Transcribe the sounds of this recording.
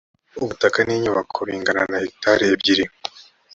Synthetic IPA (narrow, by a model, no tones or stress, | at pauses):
uβutakaniɲuβakʰoɾiːŋɡananahik̚taɾijebɟiɾi